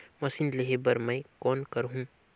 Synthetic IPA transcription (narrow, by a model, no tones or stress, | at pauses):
mɐsinleɦebɐɾmɛ̃kɔːnkɐɾɦũː